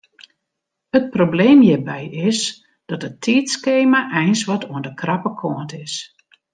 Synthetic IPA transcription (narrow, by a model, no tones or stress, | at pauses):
hət̚probleːmjɪbɛjɪs | d̥ɔtətʰiːtskeːmaʔɛjnsʋɔtʰuəndəkrɑpəkʰɔəntɪs